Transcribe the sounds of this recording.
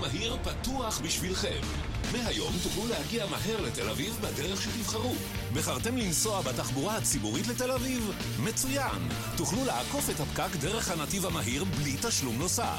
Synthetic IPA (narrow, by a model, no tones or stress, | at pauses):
maɦiʁpat̪uaχbiʃvilχe̞̰mː | eɦajo̞mt̪uχlulehaɡiamaɦeʁlet̪e̞lavivbadeʁeχʃet̪ivχaʁu | beχaʁt̪emlinso̞abat̪aχbuʁahat͡sibuʁitlete̞laviv | me̞t͡sujan | tuχluleako̞fethapkakde̞ʁe̞χhanativamaɦiʁblitaʃlumno̞sa̰